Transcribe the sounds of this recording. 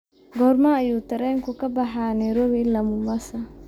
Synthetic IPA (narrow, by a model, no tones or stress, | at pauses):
ɡɔːɾmɐɐjuːt̪ʰɐɾɛːŋkʰʊkʰɐbɐħaːnɛɾɔwilɐmʊmɐsɐ